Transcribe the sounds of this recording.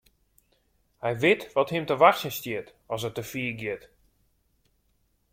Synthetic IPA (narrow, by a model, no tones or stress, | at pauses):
hɛjʋɪtʋɔthɪmtəʋaxsjənstjɪt | ɔs̬ətəfiːəɡjɪt